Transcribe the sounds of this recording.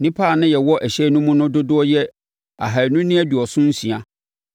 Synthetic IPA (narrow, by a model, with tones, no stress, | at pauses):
nĩ˦pʰa˦˨nʊ̃˦jɛ˨wɔ˦ʔæ˨ɕɛ˦nʊ̃˦mʊ̃˦nʊ̃˦dʊ˦dʊ˦ɔ˦jɛ˦ | a̰˨ɦa˨nʊ̃˦nĩ˦æ˦du˨ɔ˨sʊ̃˦n̩˦sĩ˨a˨